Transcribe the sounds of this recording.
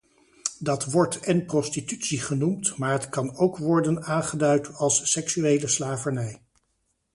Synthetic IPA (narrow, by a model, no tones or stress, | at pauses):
dɑtʋɔɹtɛnprɔstitytsiχənumtmaːɹɦətkɑnowkʋɔɹdənaːnχədœɥtɑlˠsːɛksyejləslaːvəɹnɛj